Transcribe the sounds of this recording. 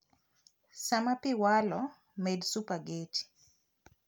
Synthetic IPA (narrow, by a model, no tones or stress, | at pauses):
samapiwalɔ | medsupaɡeti̥